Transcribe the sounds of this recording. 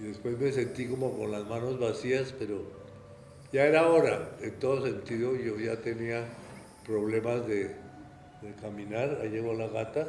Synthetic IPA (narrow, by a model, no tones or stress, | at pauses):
iðe̞spwe̞zme̞se̞nt̪iko̞mo̞ko̞nlazmano̞zβasiaspe̞ɾo̞ | ʝae̞ɾao̞ɾaent̪o̞ðo̞se̞nt̪iðoʝo̞ʝat̪e̞nia | pɾo̞βle̞mazðe | ðekamĩnaɾaʝeɣoalaɣat̪a